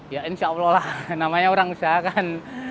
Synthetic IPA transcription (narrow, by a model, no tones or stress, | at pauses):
jaʔɪnsawlɔlahnamaɲaoɾaŋusaɦakan